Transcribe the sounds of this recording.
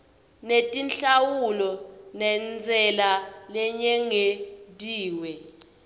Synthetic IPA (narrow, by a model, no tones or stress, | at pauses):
netʼinɬawulɔnɛnd͡zʱɛlalɛɲɛŋetʼiːwɛ